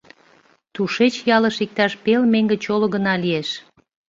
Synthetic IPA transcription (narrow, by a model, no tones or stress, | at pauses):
t̪uʃet͡ɕjɑləʃik̚t̪ɑʃpelmeŋɡĕt͡ɕoloɣənɑlieʃ